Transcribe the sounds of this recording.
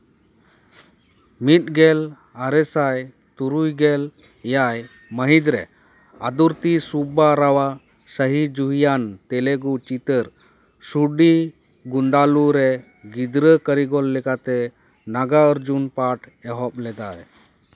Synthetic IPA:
mit̪̚ɡɛl | aɾɛsaj | t̪uɾujɡɛl | jaj | məɦid̪ɾɛ̰ | ad̪uɾt̪isubaɾawa | səɦid͡ʒuɦijant̪ɛlɛɡut͡ʃit̪əɾ | suɖi | ɡund̪aluɾɛ | ɡid̪ɾəkəɾiɡɔlːɛkat̪ɛ | naɡaəɾd͡ʒunpaʈʰ | ɛɦɔp̚lɛd̪ajɛ

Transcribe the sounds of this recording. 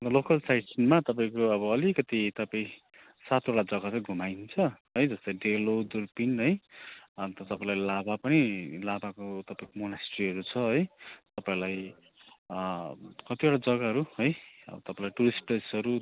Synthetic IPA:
lokʌlsajsinmat̪ʌpaĩkoʌbʌːlikʌt̪it̪ʌpaĩ | sat̪oʈad͡zʌɡat͡sãɡʱumajnt͡sʰʌɦʌjd͡zʌst̪ʌjɖelod̪urpinɦʌjʌnt̪ʌt̪ʌpaĩlajlabapʌnilabakot̪ʌpaĩkomonasʈriɦʌɾut͡sʰʌɦʌjt̪ʌpãĩlaj | kʌt̪ioɽad͡zʌɡaɦʌɾuʌjʌ̰bʌt̪ʌpãĩlajʈuɾisʈ̚presʌɾu

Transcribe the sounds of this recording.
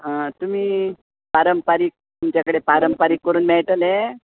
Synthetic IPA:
ɦə̃t̪um̤iː | paɾəmpaɾiːk̚t̪umt͡ɕakəɽepaɾəmpaɾiːkːəɾuːnmɛɭʈəle

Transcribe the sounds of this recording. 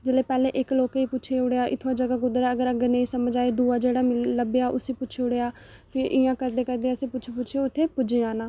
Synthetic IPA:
d͡ʒɪleːpɛːleːʔɪkloːkeiːpʊt͡ʃʃʰeːʊɽeːaːʔɪt̪ʰːaːd͡ʒəɡaːɡʊd̪ɾaːəɡəɾəɡəɾnəĩːsəməd͡ʒaːeːd̪uːaːd͡ʒeːɽaːmɪləbeːaːʔʊsiːpʊːt͡ʃʰeʊɽeːaː | pʰɪɾʔɪjãːkəɾd̪eːkəɾd̪eːaːseːpʊt͡ʃʰepʊt͡ʃʰːoʊt̪ʰːeːpʊd͡ʒeaːnãː

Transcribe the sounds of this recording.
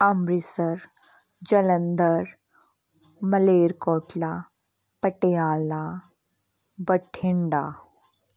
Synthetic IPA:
amɾisəɾ | d͡ʑələnd̪əɾ | məleɾkɔːʈla | pəʈejala | bəʈʰiɳɖa

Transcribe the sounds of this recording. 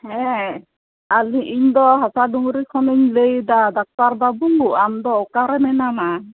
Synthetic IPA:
hɛ̃ | aliʔiɲd̪ɔɦasaɖuŋɾikʰɔniɲləjd̪ad̪ak̚t̪aɾbabuŋɡuʔamd̪ɔɔkaɾɛmɛnama

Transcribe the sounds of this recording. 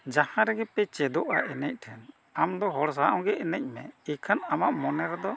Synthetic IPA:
d͡ʒahãɾɛɡɛpɛt͡ʃɛd̪ɔʔa̰ʔɛnɛc̚ˀʈʰɛn | amd̪ɔɦɔɽs̬aʔɔ̃ɡɛɛnɛc̚ˀmɛikʰanamaʔmɔnɛɾɛd̪ɔ

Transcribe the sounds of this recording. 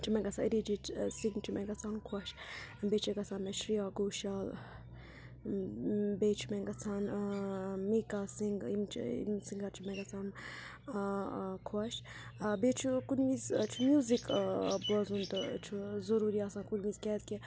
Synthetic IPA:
t͡ʃʰimɛ̃ŋɡɐt͡sʰãɾid͡ʒitsiŋɡt͡ʃʰumɛɡɐt͡sʰaːnkʰuaʃbeːt͡ʃʰiɡɐt͡sʰaːnmɛʃɾijaːɡoːʃaːl | beːt͡ʃʰumɛŋɡɐt͡sʰaːn | mikasiŋɡimt͡ʃʰḭmsiŋɡɐɾt͡ʃʰimɛ̃ŋɡɐt͡sʰaːn | kʰɐʃ | bet͡ʃʰukunʋizt͡ʃʰumjuːzikbɐzunt̪ɨt͡ʃʰuzɐɾuːɾiasãːnkunʋizkɛt̪ki

